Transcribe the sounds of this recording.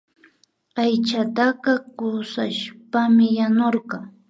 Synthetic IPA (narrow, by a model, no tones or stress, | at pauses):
ajt͡ʃat̪aqɑkʊsaʃpamɪjanoɾqɑ